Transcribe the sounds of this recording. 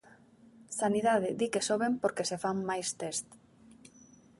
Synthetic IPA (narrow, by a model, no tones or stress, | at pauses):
saniðaðɪd̪ikesoβempoɾkesefaŋmajst̪est̪